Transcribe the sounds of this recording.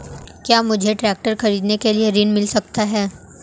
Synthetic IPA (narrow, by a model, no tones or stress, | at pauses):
kjaːmʊd͡ʒʱeʈɾɛːk̚ʈəɾxɐɾiːd̪nekelieɾiːnmɪlsɐkt̪aɦɛː